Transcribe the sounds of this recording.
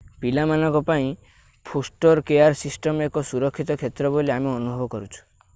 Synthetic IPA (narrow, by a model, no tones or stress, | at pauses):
pilamanɔ̃ŋkɔpaĩ | pʰosʈɔɾkejaɾsisʈɔmekɔsuɾɔkʰːit̪ɔkʰet̪ɾɔboliameɔnubʱɔbɔkɔɾut͡ʃʰu̥